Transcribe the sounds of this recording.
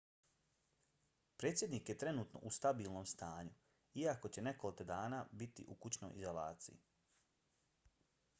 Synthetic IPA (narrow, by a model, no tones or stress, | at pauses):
pɾeːt̪sjed̪niːkjet̪ɾe̞nuːt̪no̞̰ʔust̪abiːlˠnomst̪aːɲu | iako̞t͡ɕe̞ne̞kolˠiked̪aːnaːbit̪ḭʔukut͡ɕno̞̰jizola̰ːt̪sḭji